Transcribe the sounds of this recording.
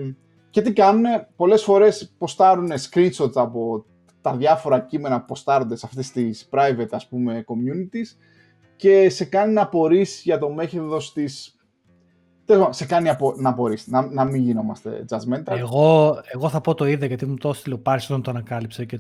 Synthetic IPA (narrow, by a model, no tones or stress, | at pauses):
ce̞t̪ikɐnune̞po̞le̞sfo̞ɾe̞spo̞st̪ɐɾune̞skɾinso̞t̪sɐpo̞ | t̪ɐðʝɐfo̞ɾɐcime̞nɐpo̞st̪ɐɾo̞nd̪esɐft̪est̪ispɾɐjve̞t̪ɐspume̞ko̞mjunit̪is | ce̞se̞kɐninɐpo̞ɾisʝɐt̪o̞me̞çeðo̞st̪is | t̪ese̞kɐniɐponɐpo̞ɾisnɐnɐmiɲʝino̞mɐ̰st̪e̞̰d͡zɐzment̪ɐeɣoeɣo̞θɐpo̞t̪o̞iðeʝɐt̪imut̪ost̪ilopɐɾisot̪ɐnt̪oɐnɐkɐlipsece